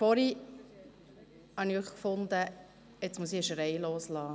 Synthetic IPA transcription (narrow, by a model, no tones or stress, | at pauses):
fɔɾi | hɑniøχkfʊnd̪ə | ɛt͡smusiəʃɾɛɪloːslɑː